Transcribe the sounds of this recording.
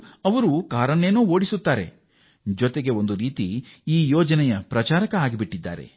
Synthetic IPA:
ɐʋɐɾukaːɾɐɳeːnuːo̞ːɽisut̪ːaːɾe̞̰ | d͡ʒɔt̪eɡe̞o̞nd̪uɾiːt̪iiːjɔːd͡ʒɐnɛjɐpɾɐt͡ʃaːɾɐkɐaːɡibiʈːid̪ːa̰ːɾe̞̰

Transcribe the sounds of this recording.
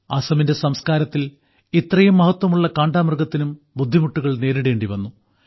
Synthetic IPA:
ɐsɐminde̞sɐmskaːɾɐt̪ːil | it̪rɐjumːɐhɐt̪ːwɐmuɭːɐkaːɳɖaːmɐrɡɐt̪ːinum | bud̪ʱːimuʈːuɣɐɭne̞ːɾiɽe̞ːɳɖiʋɐnːu

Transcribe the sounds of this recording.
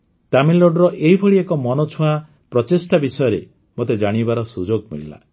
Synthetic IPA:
t̪amilːoɖɾɔʔeɦibʱɔɭiekɔmɔnɔt͡ʃʰua | pɾɔt͡ʃesʈabisɔjɔɾe | mot̪ed͡ʒaɽ̃ibaɾɔsud͡ʒoɡmḭɭila̰

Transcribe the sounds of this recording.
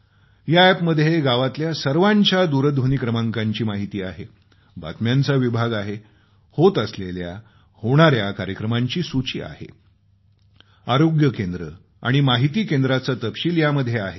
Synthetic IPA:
jaɛpməd̪ʱːjeɡaʋat̪ljasəɾʋaɲt͡ɕjad̪uɾəd̪ʱʋunikɾəmaŋkaɲt͡ɕiːmaɦit̪iːaɦe | ba̰t̪mjant͡saʋibʱaɡaɦe | hot̪əslelja̰ | hoɽ̃aɾjakaɾjəkɾəmaɲt͡ɕiːsut͡ɕiːa̰hḛ | aɾoɡjəkend̪ɾə | a̰ɽ̃imaɦit̪iːkend̪ɾat͡sat̪əpɕiːljaməd̪ʱjeaɦe

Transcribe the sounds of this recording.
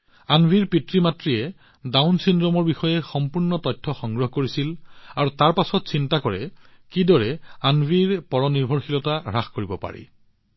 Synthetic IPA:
anbʱiɹpitɹimatɹiɛ | dawnsindɹɔmɔɹbixɔjɛxɔmpuɹnɔtɔtʰːɔxɔŋɡɹɔɦkoɹisilaɹutaɹpasɔtsintakɔɹɛ̰ | kidɔɹɛanbʱiɹpɔɹɔniɹbʱɔɹxilɔtaɹaxkoɹibɔpa̰ɹḭ

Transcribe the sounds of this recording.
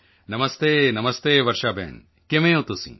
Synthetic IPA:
nɐmɐst̪eːnɐmɐst̪eːʋɐɾʃaːbʱḛːn | kemẽõt̪usḭ̃

